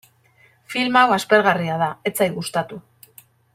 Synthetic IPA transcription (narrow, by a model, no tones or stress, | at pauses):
filmawaspe̞ɾɣariað̞ae̞t͡sajɣust̪at̪u